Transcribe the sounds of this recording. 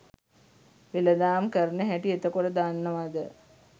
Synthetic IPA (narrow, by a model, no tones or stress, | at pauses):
ʋeləd̪aːmkəɾnəɦæʈiet̪əkoɽəd̪anːəʋad̪ə